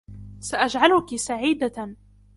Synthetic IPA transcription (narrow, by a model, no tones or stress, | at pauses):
saʔad͡ʒʕalʊkisaʕiːd̪a